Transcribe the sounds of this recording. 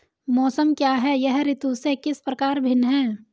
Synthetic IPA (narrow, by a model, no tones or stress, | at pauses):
mɔːsəmkjaːɦɛjɛɦɾɪt̪usekɪspɾəkaːɾbʱɪnɦɛ̃ː